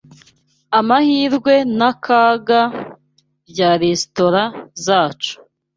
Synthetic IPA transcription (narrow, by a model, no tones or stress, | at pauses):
amahiːɾɡwe̞nakaːɡa | bjaːɾesto̞ɾazaːt͡ʃu̥